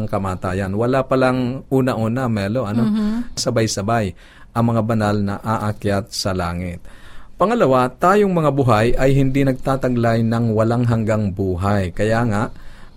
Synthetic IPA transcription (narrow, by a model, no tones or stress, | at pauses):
ŋkɐmaːt̪aːjɐnwɐlapɐlaŋʔuːnɐʔuːnɐmɛloʔɐnosɐbajsɐbaj | ʔɐŋmɐŋabɐnalnɐʔaʔakjat̪̚sɐlaːŋɪt̪̚pɐŋɐlɐwat̪aːjoŋmɐŋabʊɦajʔɐjɦɪnd̪inɐɡ̚t̪aːt̪ɐɡlajnɐŋwɐlaŋɦɐŋɡaŋbuːɦajkɐjaːŋaʔ